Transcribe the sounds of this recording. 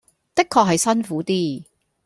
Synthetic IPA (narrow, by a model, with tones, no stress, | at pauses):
t̪ɪ˥kʰːɔː˧k̚ɦɐ˨jsɐ˥nfuː˨˥t̪iː˥